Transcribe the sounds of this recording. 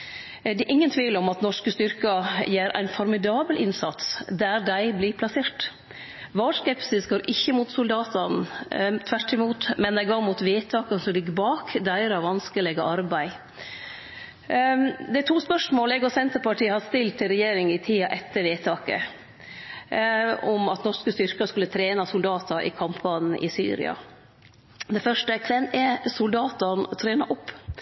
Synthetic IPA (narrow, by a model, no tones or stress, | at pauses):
d̪ɛʔɪŋːənt̪ʰʋiːʋləɾɔmɑt̪nɔʂkəst̪ʏɾkɑjeːɾʔæ̰ɪnfɔɾmɪd̪ɑːbəlʔɪnsɑ̰t̪sd̪æɾd̪æɪblɪpʰlɑseːʈ | ʋɑːskɛpsɪsɡoːɾʔɪçːəmʊt̪sʊld̪ɑːt̪ɑnt̪ʰʋæʈːɪmuːt̪mɛnd̪æɪɡɑːmuːt̪ʋeːt̪ʰɑːkənsɔlɪɡəbɑːkd̪æɪɾɑʋɑnskəlɛɡəʔɑɾbæɪ | d̪ɛæt̪ʰuːspœʂmoːlɛɡɔsɛnt̪əɾpɑʈʰiːəhɑst̪ɪlt̪ʰːɪlɾɛjeːɾɪŋɪt̪ʰiːɑʔɛt̪ʰːəɾʋeːt̪ʰɑːkə̰ | ɔmɑt̪nɔʂkəst̪ʏɾkɑskʉlːət̪ʰɾeːnɑsʊld̪ɑːt̪ɑʔɪ̰kʰɑmpʋɑːnn̩ʔɪ̰sy̰ːɾɪ̰ɑ̰ | d̪ɛfœʂʈəkʰʋɛnɛsʊld̪ɑːt̪ɑnt̪ʰɾeːnɑʔɔpː